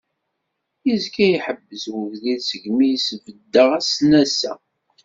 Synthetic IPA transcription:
izkæjiħəbːəzwəvðiðsəʝmijsvəd̪ːəʁæsnæsæ̰

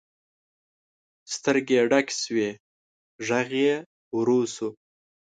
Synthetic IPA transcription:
st̪əɾɡeɖakʲswe | ʒaɣe | wɾusu

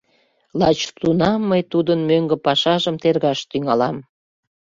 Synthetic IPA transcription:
lɑt͡ɕt̪unɑmːəjt̪ud̪ənmøŋɡə̆pɑʃɑʒəmt̪erɣɑʃt̪yŋɑlɑm

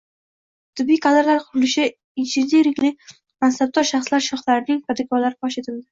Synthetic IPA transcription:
t̪ʰɪbːijqʰad̪ɪɾlaɾqʰʊɾɪlɪʃɪ | ɪt͡ʃʰɪnd̪iɾɪkʲlɪ | mansab̚d̪ɒɾʃaχslaɾʃɒχlaɾɪnɪŋpʰad̪ɪkʰɒɾlaɾɪpʰɒʃet̪ʰɪld̪ɪ

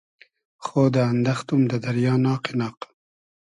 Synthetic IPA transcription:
xoːd̪əand̪axt̪umd̪əd̪aɾjɑːnɑːqenɑːq

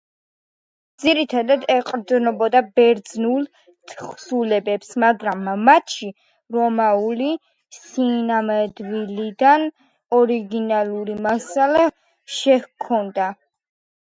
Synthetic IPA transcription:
d̪ziɾit̪ʰad̪ad̪ɛqʼɾd̪nɔbɔd̪abɛɾd̪znulˠ | t̪ʰχsulɛbɛpsmaɡɾamːat̪ʃi | ɾɔmauli | sinamɛd̪vilid̪an | ɔɾiɡinalˠuɾimasala | ʃɛkʰɔnd̪a

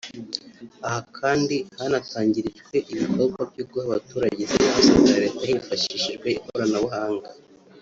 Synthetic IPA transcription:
ahakʰaːndihanataːɲɟiɾiʒɡwe̞ʔiβikʰo̞bɡwavɟub̚ɡuhaβatuːɾaɟezeisazaɾetahiːɱfaʃiʃiʒɡweikoɾanaβahaːŋɡa

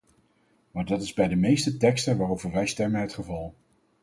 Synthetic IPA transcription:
maːɹdɑtɪzbɛjdəmejstətɛkstənʋaːrowvəɹʋɛjstɛmənɦətχəvɑlˠ

